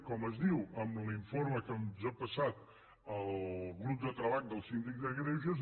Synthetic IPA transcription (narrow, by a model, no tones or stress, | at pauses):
kɔməzðiwəmliɱfoɾməkənzəpəsat̪ | əlˠɣɾup̚d̪ət̪ɾəβaʎd̪əlˠsind̪ikd̪əɣɾɛʒəz